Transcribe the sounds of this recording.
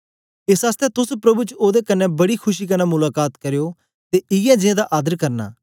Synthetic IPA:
ɪsaːst̪ɛt̪ʊspɾɐbuːt͡ʃoːd̪ekənːɛbɐɽikʰʊʃiːkɐnãːmʊlaːkaːt̪kəɾejoː | t̪eʔɪjɛ̃ːd͡ʒɪ̃ẽd̪aʔaːd̪əɾkɐɾna̰ː

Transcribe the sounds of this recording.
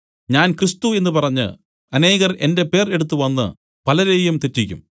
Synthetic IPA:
ɲaːnkrist̪ue̞nːɨpɐrɐɲːɨ̰ | ɐne̞ːɣɐɾʔe̞̰nde̞pe̞ːre̞ɽut̪̬ːɨʋɐnːɨ̰ | pɐlɐɾejumt̪etːikʲːṵm

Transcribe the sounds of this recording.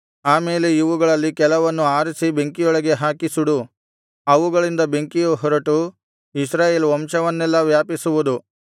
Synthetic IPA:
aːme̞ːleiʋuɡɐɭɐlːikɛlɐʋɐnːuaːɾisibe̞ŋkijɔɭɐɡe̞ɦaːkisuɽu | ɐʋuɡɐɭind̪ɐbe̞ŋkijuɦɔɾɐʈu | isɾaːjeːlʋɔmʃɐʋɐnːɛlːɐʋjaːpisuʋud̪u

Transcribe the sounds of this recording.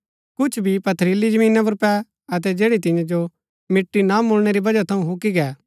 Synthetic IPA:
kʊt͡ʃʰbʱipɐt̪ʰəɾiːlid͡ʒəmĩːnap̬ʊɾpɛ | ɐt̪̬ɛd͡ʒeːɽit̪ɪ̃jãd͡ʒo | mɪʈːinamʊlɽ̃eɾibɐd͡ʒat̪ʰɐũɦʊ̃kiɡɛː

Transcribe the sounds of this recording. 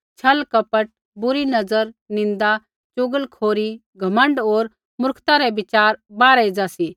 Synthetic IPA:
t͡ʃʰɐlkɐpəʈ̚ | bʊɾinɐd͡zəɾnɪ̃nd̪a | t͡ʃʊɡəlkʰoːɾi | ɡʱɐmə̃ɳɖoːɾ | mʊɾkʰt̪aɾɛbɪt͡ʃaːɾbaːɾəid͡zasi

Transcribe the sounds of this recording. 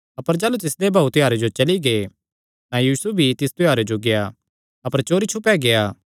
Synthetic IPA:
ɐpəɾd͡ʒaːlut̪ɪsd̪ebʱaːut̪ɪjaːɾed͡ʒot͡ʃɐliɡe | t̪ãjiːsubʱit̪ɪst̪ɪjaːɾed͡ʒoɡeja | ɐpəɾt͡ʃoːɾit͡ʃʰʊpːɛɡejaː

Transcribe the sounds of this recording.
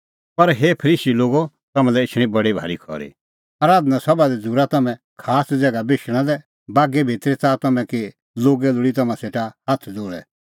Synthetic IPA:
pɐɾɦeːpʰɐɾiːsiloːɡo | t̪ɐmãlɛɪt͡ʃʰɽ̃ĩbɐɽibʱa̰ːɾikʰɔ̰ɾḭ | ɐɾaːd̪nasɐbad̪ɛd͡zʱuɾat̪ɐmɛ̃ | kʰaːsd͡zɛːɡabɪʃɽ̃ãd̪ɛ | baːɡɛbʱɪt̪ɾɛt̪aːt̪ɐmɛ̃ki | loːɡɛlʊɽit̪̬ɐmãseːʈahɐt̪ʰd͡zoːɭɛ̰

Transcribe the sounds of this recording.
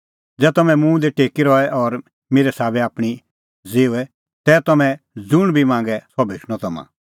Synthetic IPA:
d͡zɛːt̪ɐmɛ̃mũːd̪eʈeːkiɾɔɛʔɔɾ | meːɾɛsaːbɛaːpɽ̃i | d͡zeːuɛ | t̪ɛːt̪ɐmɛ̃ | d͡zʊɽ̃bʱimãːŋɡɛsɔbʱeːʂɽ̃ɔt̪ɐmã̰

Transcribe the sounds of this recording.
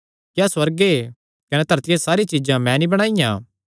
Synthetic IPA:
kjaːswɐɾɡe | kɐnet̪ɐɾt̪ɪjesaːɾit͡ʃid͡ʒãmɛ̃nibɐɽ̃aːɪjã̰ː

